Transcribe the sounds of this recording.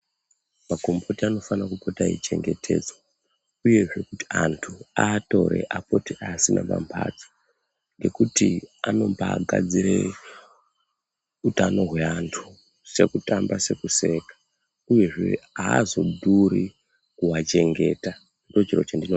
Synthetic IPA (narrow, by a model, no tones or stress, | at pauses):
mako̞mbo̞tiano̞fanakupotaḭt͡ʃe̞ŋɡetʰe̞̰ːd͡zwa | uje̞ʐe̞kuti̥antʰuato̞̰ɾe̞̰ʔapo̞tiʔaːsinama̰mpʰa̰d͡zo̥ | ŋɡe̞kutiano̞mpaɡʱa̰d͡ziɾe | utano̞ɦweantʰu̥ | se̞kutambase̞kuse̞kḁ | uje̞ʐe̞̰aːzo̞dʱuɾi | kuwat͡ʃe̞ŋɡe̞ːta | ndo̞t͡ʃirot͡ʃandino